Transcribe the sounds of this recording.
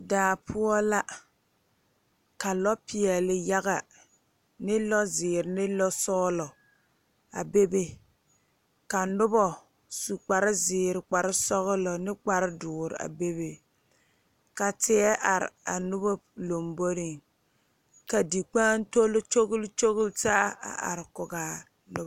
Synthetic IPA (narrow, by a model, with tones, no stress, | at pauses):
daː˨pʰʊ˦ɔ˦la˦ | ka˨lɔ˦pɪ˨ɛ˨lɪ˨ja˦ɣa˨ | nɪ˦lɔ˦zɪː˨ɾɪ˨nɪ˦lɔ˦sɔ˦lɔ˨ | a̰˨be˦be˦ | ka˨nʊ˦bɔ˦ | su˨k͡pa˨ɾɪ˦zɪː˨ɾɪ˨k͡pa˨ɾɪ˦sɔ˦ɣʊ˦lɔ˨nɪ˦k͡pa˨ɾɪ˦dʊː˨ɾɪ̰˨a̰˨be˦be˦ | ka˨tɪ˦ɛ˦ʔa˨ɾɪ̰˨a˨nʊ˦bɔ˦lo˨mbo˦ɾɪ˦˨ŋ | ka˨di˨k͡paː˦n˦to˦lɪ˦t͡ʃo˦ɣʊ˦lt͡ʃo˦ɣʊ˦ltaː˦a̰˨ʔa̰˨ɾɪ˨kʊ˨ɡaː˨ | nʊ˦